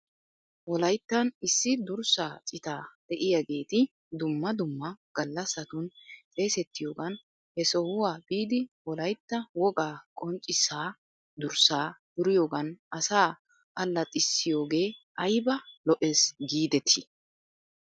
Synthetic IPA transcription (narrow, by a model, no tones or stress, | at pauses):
wɔlɐjt̪ːɐnɪsːɪd̪ʊɾsaːt͡sʼɪt̪aːd̪̥ɛʔɪjaɡe̞ːt̪ɪ | d̪ʊmːɐd̪ʊmːɐɡ̥ɐlːɐsːɐt̪ʊnt͡sʼe̞ːsɛt̪ːɪjo̞ːɡɐn | hɛsɔhʊwaːbiːd̪ɪwɔlɐjt̪ːɐwɔɡaːkʼɔnt͡ʃʼːɪsaː | d̪ʊɾsaːd̪̥ʊɾɪjoːɡɐnʔɐsaː | ʔɐlːɐt̪ʼɪsːɪjo̞ːɡeːʔɐjbɐlɔʔeːsɡiːd̪ɛt̪ʰɪ